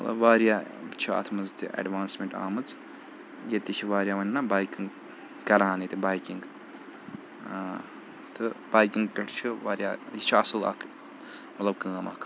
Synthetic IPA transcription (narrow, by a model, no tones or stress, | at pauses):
mɐt̪lɐ̰bʋaːɾijaːt͡ʃʰia̰t̪ʰmɐzt̪ḭʔɐ̰ɖʋaːnsmeɳʈa̰ːmɨt͡s | jet̪it͡ʃʰiʋaːɾjaʋɐnʲnabaːjkiŋɡ | kɐɾaːnit̪ibaːjkiŋɡ | t̪ɨbaːjkiŋɡkɐʈt͡ʃʰiʋaːɾjaːjit͡ʃʰiɐsɨlɐ̰kʰ | mɐt̪lɐbkɨ̃ːɐmɐ̰kʰ